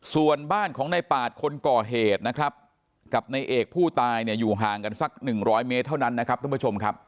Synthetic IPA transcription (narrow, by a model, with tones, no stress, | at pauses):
su˨˩ənbaː˥˩nkʰɔː˩˦ŋna˧jpaː˨˩t̪̚kʰo˧nkɔː˨˩ɦeː˨˩t̪̚na˦˥kʰɾa˦˥p̚ | ka˨˩p̚na˧jʔeː˨˩k̚pʰuː˥˩t̪aː˧jni˥˩əjuː˨˩ɦaː˨˩ŋka˧nsa˦˩k̚nɯ˨˩ŋɾɔː˦˥jme˦˥t̪ʰːa˥˩wna˦˥nːa˦˥kʰɾa˦˥p̪̚ʰːpu˦˥t͡ɕʰo˧mkʰɾa˦˥p̚